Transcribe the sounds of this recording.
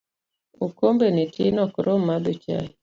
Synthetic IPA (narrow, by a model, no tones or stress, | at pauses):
ukombenitinɔkɾʔomːad̪ot͡ʃa̰i